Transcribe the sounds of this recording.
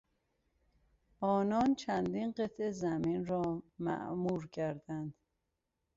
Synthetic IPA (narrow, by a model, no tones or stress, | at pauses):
ʔɒːnɒːnt͡ʃʰænd̪inɢet̪ʰʔezæmiːnɾɒːmæ̰ʔmuːɾcʰæɾd̪ænd̪̥